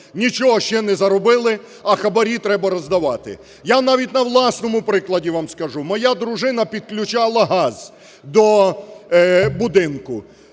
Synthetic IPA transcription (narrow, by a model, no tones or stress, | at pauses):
nʲit͡ʃɔɦɔʃt͡ʃɛnɛzɐɾɔbɪlˠɪ | ɐxɐbɐɾʲit̪ɾɛbɐɾɔzd̪ɐʋɑt̪ɪ̰ | janɑʋʲitʲnɐʋlˠɑsnɔmʊpɾɪklˠɐdʲiʋamskɐʒumɔjad̪ɾʊʒɪnɐpʲid̪̚klʲʊt͡ʃalˠɐɦɑz̥ | d̪ɔ | bʊd̪ɪnkʊ